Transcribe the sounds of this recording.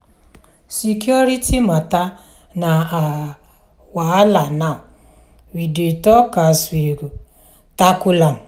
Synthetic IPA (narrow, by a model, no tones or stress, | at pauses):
sikjɔɾitimata | naa | waalana | widetɔkasiɾu | takʊlam